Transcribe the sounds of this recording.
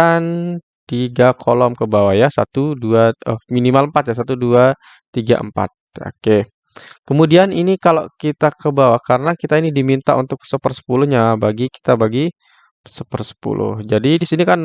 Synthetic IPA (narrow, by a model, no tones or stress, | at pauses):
an | t̪iɡakʰolɔmkəbawajasa̰t̪uduaəminimaləmpat̪̚jas̬at̪udua | t̪iɡa̰ʔə̰mpa̰t̪̚a̰ke | kəmudianinikalokit̪akəbawakaɾənakit̪ainidimint̪a̰ṵnt̪ʊk̚səpərsə̥pulʊhɲabaɡiki̥t̪abaɡi | səpərsə̥pṵlʊ̰hd͡ʒadidisinikan